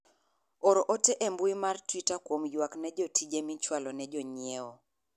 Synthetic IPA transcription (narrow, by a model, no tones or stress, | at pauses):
oɾoʔoteʔɛmbuimartwitakwomjwaknɛd͡ʒɔtʰid͡ʒemit͡ʃwalɔnɛd͡ʒɔɲjeɔ